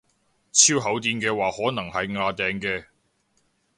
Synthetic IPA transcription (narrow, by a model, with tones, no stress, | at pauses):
t͡sʰiː˥wɦɐ˨˥wt̪iː˧nkɛː˧waː˨hɔː˨˥nɐ˨˩ŋhɐ˨jŋaː˧t̪ɛː˨˩ŋkɛː˧